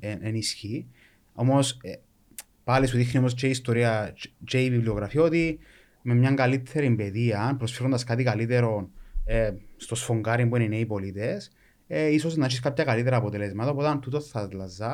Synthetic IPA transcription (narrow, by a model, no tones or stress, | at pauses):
enʔenisçi | o̞mose | palisuðixniomost͡ʃeist̪oɾiɐt͡ʃeiviblioɣɾɐfiot̪i | me̞mɲɐŋɡalit̪ʰːeɾimbeðiɐnpɾosfeɾond̪ɐskat̪ikalit̪eɾo̞nest̪osfo̞ŋɡaɾimbuenineipo̞lit̪es | eiso̞znaʃiskapçɐkalit̪̬eɾɐːpot̪elezmɐt̪ɐput̪ɐnt̪ut̪oθθɐzlɐzːɐ